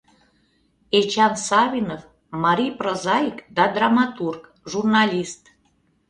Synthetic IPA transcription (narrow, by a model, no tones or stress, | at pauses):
et͡ɕɑnsɑβʲinof | mɑɾʲijprozɑikd̪ɑd̪rɑmɑt̪urk | ʒurnɑlʲist̪